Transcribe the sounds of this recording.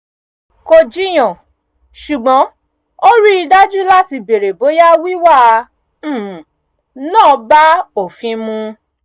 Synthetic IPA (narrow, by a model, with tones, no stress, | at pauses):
ko˧d͡ʒi˦j̃ɔ̃˨ | ʃu˨ɡ͡bɔ̃˨˦ | o˦ɾi˦i˧da˦d͡ʒu˦la˦ti˧˨be˨ɾe˨bo˨˦ja˦wi˦wa˦˧˦ | nãː˦˨˧ba˦o˨fĩ˧mũ˧